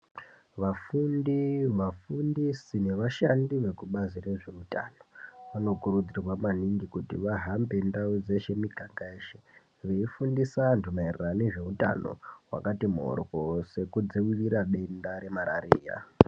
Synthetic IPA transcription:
ʋafundiʋafundisine̞ʋaʃandiʋe̞kuɓazire̞ʐe̞uta̰noʋano̞kuɾud͡zirwamaniŋɡikutḭʋaɦambe̞ndaud͡ze̞ʃe̞miɡʱaŋɡaeʃe | ʋeifundisantumairirane̞ʐe̞uta̰no̰wa̰katimo̰rwo̞se̞kud͡ziwiriɾaɗe̞ndaɾe̞maɾa̰ɾḭːja̰

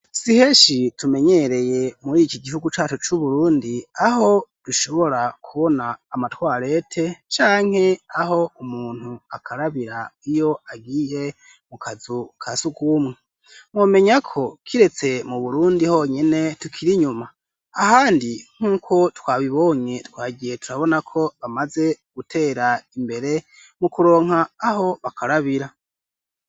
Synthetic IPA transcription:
sihe̞ːʃitume̞ɲe̞ɾe̞je̞muɾikiɡihuɡut͡ʃaːt͡ʃot͡ʃuβuɾuːndiaho̞d̥uʃo̞βo̞ɾakʰuβo̞naːmatwaːɾe̞tʰe̞t͡ʃaːŋ̥he̞aɦo̞umuːn̥huakʰaɾaβiɾaijo̞aɡiːɾe̞ | mukazukʰasuɡumŋe | mwoːme̞ɲakʰo̞kʰiɾe̞t͡se̞muβuɾuːndiho̞ːɲene̞tukʰiɾiɲumaː | haːndiŋ̥uːkʰo̞twaːβiβo̞ːɲe̞twaːɡije̞tuɾaβo̞nakʰo̞βamaze̞ɡ̥utʰe̞ːɾaimbe̞ɾe̞ | mukuɾo̞ːŋ̥aːho̞βakʰaɾaβiɾa

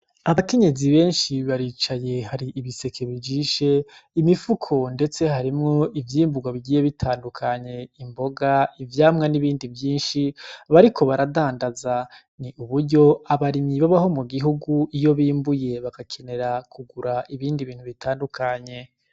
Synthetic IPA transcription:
aβake̞ɲe̞ziβe̞ːnʃiβaɾiːt͡ʃaje̞haɾiʔiβise̞kʰe̞βid͡ʒiːʃe̞imifukʰo̞nde̞t͡se̞haɾimŋo̞ivjiːmbuɡwaβiɡiːje̞βitʰaːndukʰaɲe̞imbo̞ɡaivjaːmŋaniβiːndivjiːnʃiβaɾikʰo̞βaɾadaːndaza | niuβuɾɟo̞aβaɾimiβaβaɦo̞muɡiɦuɡuʔijo̞βiːmbuje̞βaɡ̥akʰe̞ne̞ɾakʰuɡuɾaʔiβiːndiβiːn̥huβitʰaːndukʰaɲe̞

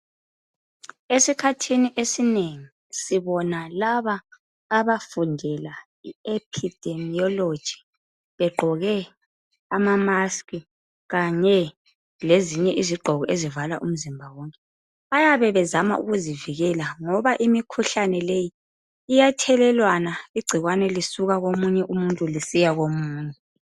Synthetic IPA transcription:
esikʰatʰiniʔesineŋi | siβɔnalaβaː | βafundʱɛla | iepʰid̥ʱemiɔlod̥ʒ̥ʱi̥ | βɛɡ͡ǃʱɔɣɛ | amamaskʼi | ɣaɲɛ | leziɲɛʔiziɡ͡ǃʱɔɣɔʔezivalaʔum̩zimbʱawɔŋkʼɛ | βajaβɛβɛzama̰ʔṵɣuziviɣɛlaŋɔβaʔimikʰuɬanɛlejiː | jatʰɛlɛlwanaiɡ͡ǀʱiɣwanɛlisuɣaɣomuɲɛʔumuntʼulisijaɣomuːɲɛ

